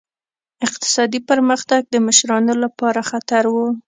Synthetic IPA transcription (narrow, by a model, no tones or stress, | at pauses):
ɪq̚t̪ɪ̥sɑd̪ipəɾməxt̪aɡ̚d̪əmɪʃɾɑnolapɑɾaxat̪aɾwu